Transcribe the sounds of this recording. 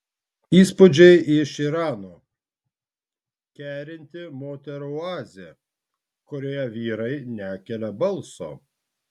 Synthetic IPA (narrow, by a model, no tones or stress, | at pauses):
iːspʊd͡ʒʲɛɪʔɪʃiɾɑːnoː | kʲæːɾʲɪnʲt̪ʲɪmoːt̪ʲɛɾʊɑːzʲe | kɔɾʲoːjɛʋʲiːɾɐɪnʲæːkʲɛlʲɛbɐlˠˑso̰ː